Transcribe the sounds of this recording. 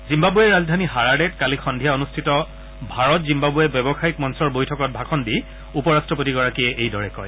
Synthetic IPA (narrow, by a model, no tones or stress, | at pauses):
zimbabuɛɹazdʱaniɦaɹadɛtkalikʰɔndʱijaonustʰitɔ | bʱaɹɔtzimbabuɛbɔbɔxaik̚mɔnsɔɹbojtʰɔkɔt̚bʱakʰɔndi | upɔɹastɹɔp̬otiɡɔɹakiɛʔejdɔɹɛkɔ̰j